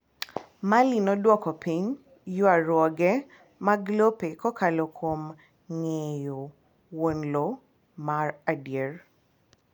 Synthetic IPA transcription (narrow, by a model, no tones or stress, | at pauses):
malinɔdwɔkɔpiɲ | jʊaɾwɔɡɛ | maɡlopekɔkalokʰom | ŋejo | wonlo | maradjer